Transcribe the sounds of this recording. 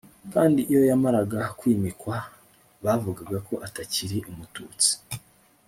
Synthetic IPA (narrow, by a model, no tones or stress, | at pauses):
kaːndiʔijo̞jamaɾaɡakwiːmikwa | βavuɡaɡako̞ʔataciɾiʔumutṵːt͡si̥